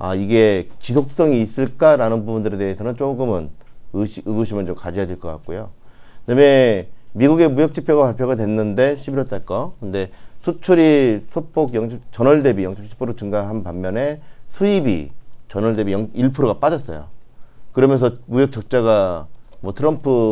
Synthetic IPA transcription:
a̰iɡe̞t͡ɕisʰok̚s͈ʌŋiːs͈ɯɭk͈aɾanɯnbubundɯɾe̞de̞ɦesʰʌnɯnt͡ɕ͈oɡɯmɯnɯɕɯɡɯɕʰimɯnt͡ɕomkad͡ʑijadwe̞ɭk͈ʌk͈a̰k̚k͈ojoname̞miɡuɡe̞mujʌk̚t͡ɕ͈ʰipʰjoɣapaɭpʰjoɣadwenːɯnde̞ɕʰibiɾʌt͈ak͈ʌkɯnde̞sʰut͡ɕʰuɾisʰopʰoɡjʌŋɕʰit͡ɕʌnʌɭde̞bijʌŋɕʰʌp̚t͡ɕʰi̥pʰoɾot͡ɕuŋɡanɦanpamːjʌne̞sʰuibḭt͡ɕʌnʌɭde̞bijʌŋiɭpʰuɾoɣap͈adʌs͈ʌ̰jo̰kɯɾʌmjʌnsʰʌmujʌk̚t͡ɕ͈ʌk̚t͡ɕ͈aɡamwʌtʰɯɾʌmpʰu

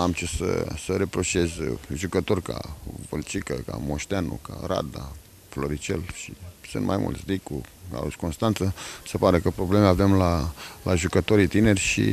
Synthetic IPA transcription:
amt͡ʃesə̰səɾe̞pɾo̞ʃe̞zʒukət̪o̞rʲka̰və̰lt͡ʃikəka̰moʃt̪eanṵkaɾa̰d̪a̰ | flo̞ɾit͡ʃḛlʃisɨ̰nt̪mʔa̰jmṵlt̪sʲd̪ikua̰ṵsko̞nst̪ant̪səsepaɾekəpɾo̞blemevemlalʔaʒukət̪o̞ɾit̪ine̞rʲʃḭ

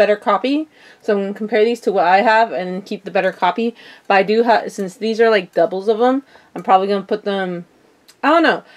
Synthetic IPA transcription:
bɛɾə˞kʰɑpi | soʊɪ̃ŋɡʌ̃nkʰm̩pʰɛɹðiz̥tʰəwʌɾaɪəvɨ̃nðɨ̃nkʰip̚ðɨbɛɾə˞kʰɑpib̥ʌɾaɪdɨəsɪ̃nsðizə˞laɪk̚d̥ʌbl̩ˠzʌvə̃m | ãɪ̃mpʰɹ̥ɑbəbliɡʌ̃nəpʰʊt̪̚ðə̃m | aɪdõʊnːoʊ

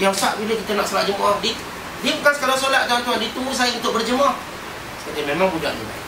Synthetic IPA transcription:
jaŋsaʔbiləkit̪ənaʔsolaʔ̚d͡ʒəmɔdi | dim̚kansə̥kaɾaŋsolaʔ̪̚d̪aant̪uadit̪umbus̬aəunt̪ʊʔ̚bərd͡ʒəmɔh | səkət̪imemãŋbud͡ʒa̰ʔɲḭla̰

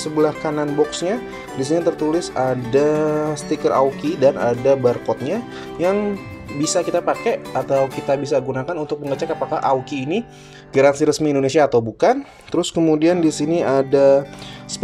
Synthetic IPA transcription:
səbəlahkananbɔksɲa | disinit̪ərt̪ulɪsadast̪ikərʔa̰ukidana̰dabarkɔt̪̚ɲa | jaŋbisakit̪apakeat̪awkit̪abisaɡunakanunt̪ʊk̚məŋɡət͡ʃakapaka̰hʔaukiːni | ɡaɾansiɾəsmiːndonesiaːt̪awbukan | t̪əɾʊskəmudiandisiniadasə̥p

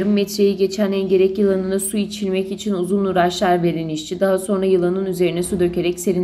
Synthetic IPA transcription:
ɾɯmːɛt̪ɾe̞jiɟe̞t͡ʃʰænɛnɟe̞ɾɛcjɯlˠanɯnɯsuit͡ʃʰilʲmɛcit͡ʃʰinuzunːuɾat͡ʃlˠaɾveɾiniʃt͡ʃʰid̪aɦaso̞nɾajɯlˠanɯnyze̞ɾinɛsud̪ø̞ce̞ɾɛcse̞ɾin

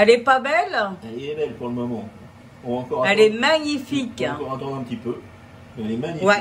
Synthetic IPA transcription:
ɛlɛpabɛlɛlɛbɛlpuʁləmɔmɑ̃ | uɑ̃kɔʁɛlɛmaɲifikkɔʁɑ̃t̪ɑ̃d̪ʁɛ̃pət̪ipø | mɛlɛmaɲiwɛ

